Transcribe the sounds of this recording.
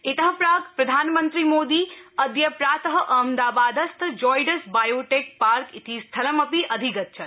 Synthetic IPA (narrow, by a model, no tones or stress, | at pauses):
et̪əɦə̃pɾakpɾɐd̪ʱaːnmənt̪ɾimod̪iəd̪jəpɾaːt̪əɦəʔəmd̪abad̪əst̪ʰd͡ʒɔjɖəsbajoʈek̚paɾkit̪ʰist̪ʰələməpiʔəd̪ʱiɡət̪̚t͡ʃʰə